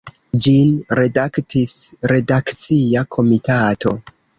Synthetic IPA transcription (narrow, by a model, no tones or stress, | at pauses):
d͡ʒinɾe̞daktisɾe̞dakt͡siakʰo̞mitatʰo̞̰